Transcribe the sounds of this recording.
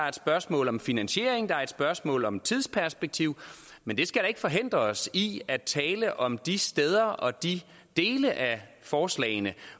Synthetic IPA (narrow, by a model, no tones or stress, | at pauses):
ɐed̥sb̥ɶɐsmɔ̰̽ːlɒ̽mfinænɕe̝̰ɐ̰eŋd̥ɑ̈ɐed̥sb̥ɶɐsmɔ̰̽ːlɒ̽mt͡sʰið̞̰ˠspʰæɐsb̥eɡ̥̚t͡sʰiʊ̰mend̥e̝sɡ̥æɾ̥ɑ̈e̝ɡ̥fɒ̽ɦe̝n̰d̥ʁɐsiæ̥t͡sʰɛːləʔɒ̽md̥isd̥eð̞ˠɐʔɒ̽d̥i | d̥e̝ːləʔæ | fɒːslɛ̰ːɪnə